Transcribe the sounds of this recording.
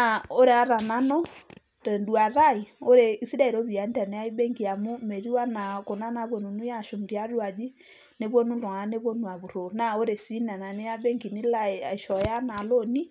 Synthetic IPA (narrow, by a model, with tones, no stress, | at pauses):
na˨o˦ɾe˨a˦ɾa˨na˦nɔ˦ | tɛ˨ndu˨a˨ɾa˦i˨o˦ɾe˨i˦si˦da˦i˨ɾo˦βi˨a˨˦nda˨nɛ˨a˦i˦bɛ˦ŋɡi˨a˨mu˦me˨ɾi˦wa˦na˨ko˨na˦na˨˦βwɔ˨nu˨nu˦ja˦˨ʃo˨m˨di˨a˦ɾwa˨d͡ʒi˦ | ne˦βwɔ˦nu˦ndɔ˨ŋa˨a˦ne˦βwɔ˦nu˨a˨βu˨ɾo˨na˨o˦ɾe˨si˦na˨na˨ne˦ja˦bɛ˦ŋɡi˨ni˦la˦˨a˨i˨ʃɔ˨ja˦na˨lo˦ni˦